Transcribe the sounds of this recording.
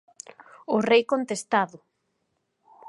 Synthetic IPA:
ʊrejkont̪est̪aðʊ

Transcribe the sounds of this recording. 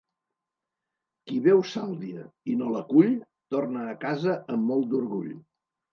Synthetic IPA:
kiβɛwsalˠd̪iəinoləkuʎ | t̪ornəːkazəəmːɔlˠt̪̚d̪uɾɣuʎ

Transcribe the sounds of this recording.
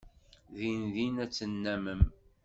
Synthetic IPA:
ðinðinæt͡sːənːæməm

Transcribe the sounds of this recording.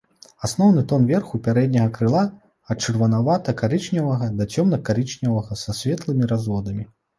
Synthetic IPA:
asnɔwnɨt̪ɔnvʲɛrxupʲaɾɛd̪ʲnʲɐɣɐkɾɨlˠa | ɐtt͡ʂɨrvɐnavat̪ɐkaɾɨt͡ʂnʲɐvɐɣɐd̪ɐt͡sʲɔmnɐkaɾɨt͡ʂnʲɐvɐɣɐsasʲvʲɛt̪lˠɨmʲiɾazvɔd̪ɐmʲi

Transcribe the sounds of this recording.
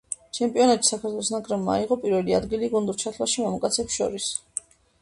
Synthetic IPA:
t͡ʃʰɛmpʼiɔnat̪ʃi̥sakʰaɾt̪ʰwɛlˠɔsnakʼɾɛbmaaiʁɔpʼiɾvɛlia̰d̪ɡiliɡund̪uɾt͡ʃʰat̪ʰlaʃimamukʼat̪sʰɛpsʃɔ̰ɾis

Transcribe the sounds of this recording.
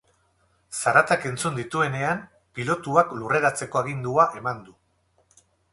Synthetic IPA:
saɾat̪ake̞nt͡sund̪it̪ue̞ne̞am | pilo̞t̪uaklure̞ɾat͡se̞ko̞aɣ̞ind̪uaʔe̞mand̪u

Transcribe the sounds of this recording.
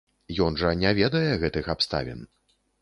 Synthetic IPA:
jɔnʐɐnʲɛvʲɛd̪ɐjɛɣɛt̪ɨxapst̪a̰vʲɛ̰n

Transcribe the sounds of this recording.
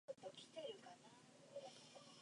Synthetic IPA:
ot̪okʲʰi̥t̪eɾɯkana

